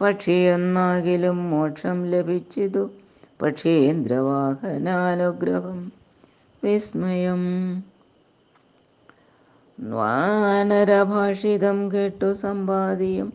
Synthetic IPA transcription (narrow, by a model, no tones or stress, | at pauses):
pɐʈʂijenːaːɡilumːoːʈʂɐmlebʱit͡ʃːit̪u | pɐʈʂend̪ɾɐʋaːkɐnaːnuɡɾɐɦɐm | ʋismɐjɐm | nʋa̰ːnɐɾɐbʱaːʂid̪ɐmkeʈːusɐmbaːd̪ijɐm